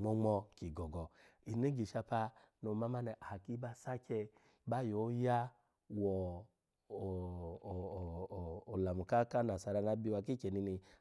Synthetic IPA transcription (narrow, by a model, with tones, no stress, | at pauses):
ŋ͡mɔ˧ŋ͡mɔ˧ki˨ɡɔ˨ɡɔ˨ | i˨ne˦ɡi˨ʃa˧pa˧ | no˨ma˦ma˦nɛ˧˨ʔa˨ki˦ba˧sa˦t͡ʃɛ˧ | ba˦˨jo˨˦ja˦ | wɔ˨ | la˨mu˨ka˦ka˦na˨sa˧ɾa˧na˨˦bi˧wa˧k̬i˦t͡ʃɛ˨ni˧ni˧